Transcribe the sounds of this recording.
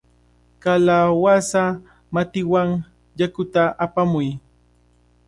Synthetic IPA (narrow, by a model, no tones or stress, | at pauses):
kalawasa | mat̪ɪwaŋ | jakʊt̪aʔːpamʊj